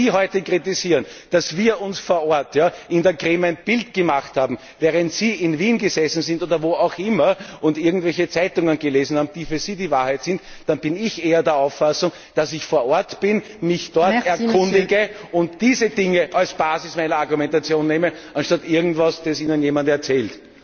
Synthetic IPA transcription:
iːɦɔʏtəkʁ̥itɪziːʁnd̥asviːɐʔʊnsfoːɐɔɐtjaːʔɪndɛɐkʁeːmæɪnb̥ɪltɡ̥əmaχthaːbm̩ | vɛːʁəntsiːɪnviːnɡəzɛsn̩zɪ̃ntoːdɐvoːɑʊxʔɪmɐʔʊndɪɐɡŋ̩tvɛlçət͡sæɪtʊŋənɡəleːzn̩haːbm̩d̥iːfyːɐziːdiːvaɐhæɪtsɪntd̥anb̥ɪnɪçʔeːɐdɛːɐaʊfːasʊŋ | d̥asɪçfoːɐɔɐtb̥ɪn | mɪçd̥ɔɐtɛɐkʰʊ̃nnddɪɡəʊntd̥iːzəd̥ɪŋəʔalsb̥aːzɪsmaɪnɐaɐɡʊmɛntat͡sjoːnːeːmə | ʔanʃtatɪɐɡŋ̩tvasd̥ɛsiːnənjeːmantɛɐt͡sɛːlt

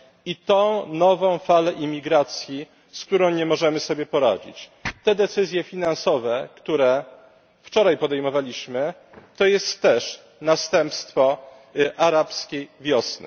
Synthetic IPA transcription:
it̪ɔ̃w̃nɔvɔ̃w̃falɛʔimʲːiɡɾat̪sʲji | skt̪uɾɔ̃w̃ɲɛmɔʐɛmɘsɔbʲjɛpɔɾa̰d͡ʑḭt͡ɕt̪ɛd̪ɛt̪sɘzʲjɛfʲinansɔvɛkt̪uɾɛ | ft͡ʂɔɾajpɔd̪ɛjmɔvalʲiɕmɘ | t̪ɔjɛst̪ːɛʂ | nast̪ɛmpst̪fɔ | ʔaɾapskʲejvʲjɔsnɘ̰

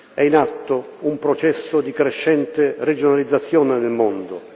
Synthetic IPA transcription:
ɛinat̪ːo | umpɾot͡ʃɛsːod̪ikɾeʃːɛnt̪ered͡ʒonalid̪zːat̪sːjɔːnenelmond̪o

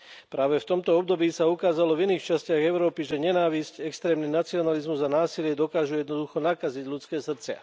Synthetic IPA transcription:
pɾaːʋɛft̪ɔmt̪ɔɔb̚d̪ɔbiːsaukaːzalɔviniːxt͡ʃascɪaɣɛʊɾɔːpiʒɛɲɛnaːʋiscɛkst̪ɾɛːmninat͡siɔnalizmuzanaːsilɪɛd̪ɔkaːʒujɛd̪nɔd̪uxɔnakaziɟʎut͡skɛːsr̩t͡sɪa̰

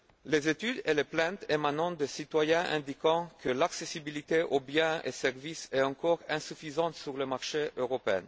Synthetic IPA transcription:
lezet̪yd̪eleplɛ̃t̪ʰemanɑ̃t̪d̪esit̪wajɛ̃ʔɛ̰̃nd̪ikɑ̃kʰəlaksesibilit̪eʔobjɛ̃ḛsɛʁvisɛɑ̃kɔʁɛ̃syfizɑ̃t̪syʁləmaʁʃeʔøʁopeɛ̰̃n

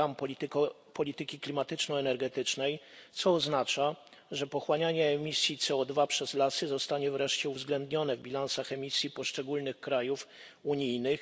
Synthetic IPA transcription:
amp | pɔlʲit̪ɘkʲiklʲimat̪ɘt͡ʂnɔɛnɛɾɡɛt̪ɘt͡ʂnɛjt̪sɔːznat͡ʂa | ʐɛpɔxwaɲaɲɛːmʲisʲjit̪sɛɔd̪vapʂɛzlasɘzɔst̪aɲɛvɾɛʂt͡ɕɛuvzɡlɛnd̪ɲɔnɛvbʲilansaxɛmʲisʲjipɔʂt͡ʂɛɡulnɘxkɾajuf | uɲijnɘx

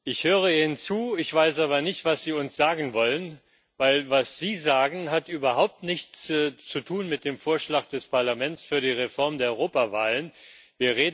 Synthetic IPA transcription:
ʔɪçhøːʁ̞əiːɪnənt͡suːɪçv̥aɪsʔaːβɐnɪçtv̥asz̥iːʊnsz̥aːɡŋ̩vɔlən | vaɪlvasz̥iːzaːɡŋ̩ɦatʔyːbɐɦaʊp̚tnɪçt͡sːt͡sutʰuːnmɪt̚d̥eːmfoːɐʃlaːkd̥ɛspʰaɐlamɛnt͡sfyːɐɾiːʁefɔɐmdeːɐʔɔʁoːpavaːlənviːɐʁeːd

